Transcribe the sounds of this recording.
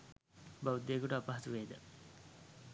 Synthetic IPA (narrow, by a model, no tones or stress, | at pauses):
baʋud̪ːeːkuʈəapaɦɐsuʋeːd̪ə